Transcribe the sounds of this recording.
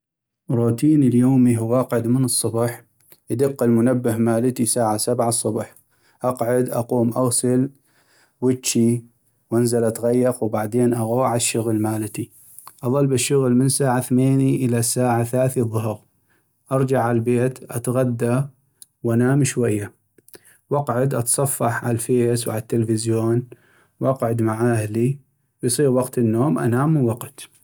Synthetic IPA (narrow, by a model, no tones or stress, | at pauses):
ɾˤuːt̪iːnəljoːmiɦʊwʔɑqʕʊd̪mənɨsˤːɑbħ | ʔad̪ɪqːɪlmʊnabːɪhmaːlt̪isaːʕasabʕasˤːʊbħ | ʔɑqʕʊd̪ʔɑquːmʔaɣsɪl | wɪtt͡ʃi | wʔanzalʔat̪ɣajːɑqwbaʕd̪eːnʔaɣoːʕaʃːʊɣlmaːlt̪i | ʔɑðˤɑlbɪʃːʊɣlmənsaːʕaθmeːniʔəlasaːʕaθlaːθiðˤʊɦɾ | ʔɑɾˤd͡ʒaʕʕallbeːt̪ʔa̰t̪ɣad̪ːa | wʔanaːmʃwajːa | wɑqʕʊd̪ʔɑt̪sˤɑfːɑħʕa̰lfeːswʕa̰lat̪ːəlfɪzjoːn | wʔɑqʕʊd̪maʕaːhli | wjsˤiːɾwɑqt̪ənːoːmʔa̰naːmwɑqt̪